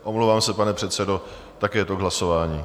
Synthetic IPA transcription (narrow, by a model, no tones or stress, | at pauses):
ʔomlowvaːmsɛpanɛpr̥ɛt̪sɛdo̞ | t̪akɛjɛt̪oɡɦlaso̞vaːɲiː